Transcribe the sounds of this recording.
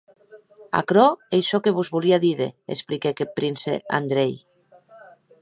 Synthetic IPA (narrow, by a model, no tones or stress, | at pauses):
a̰kɾɔejʃɔkeβuzβuliaðiðḛḛsplikekepɾinsḛa̰nd̪ɾej